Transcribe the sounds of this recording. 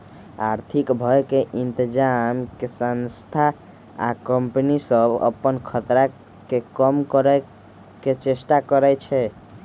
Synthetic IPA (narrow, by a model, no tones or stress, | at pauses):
aɾt̪ʰikbʱɔekeʔint̪əd͡ʒamkesənst̪ʰa | a̰kəmpənisəbə̰pːənkʰət̪ɾa | kekəmkəɾɛ | ket͡ʃesʈakəɾɛt͡ʃʰɛ